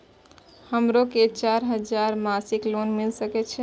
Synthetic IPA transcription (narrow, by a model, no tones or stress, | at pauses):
həmɾoket͡ʃaɾɦəd͡ʒaɾmasiklonmilsəkɛt͡ʃʰɛ